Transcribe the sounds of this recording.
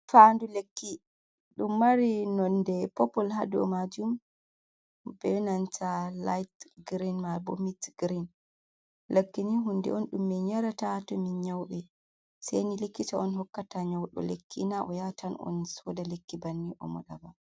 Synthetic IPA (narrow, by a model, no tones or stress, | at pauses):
fandulekːi | ɗumːaɾinɔndɛpɔpɔlɦadɔ̰mad͡ʒum | bɛnantʰalajtɡɾinmabɔmitɡɾin | lakːiniɦundɛ̰ɔnɗumːɛɲaɾatatɔmiɲawɓɛ | sɛ̰jnilekːitaɔnhɔkːataɲawɗɔ̰lekːinaʔɔjatanɔ̰nsɔdalekːibanːiʔɔ̰mɔ̰ɗaba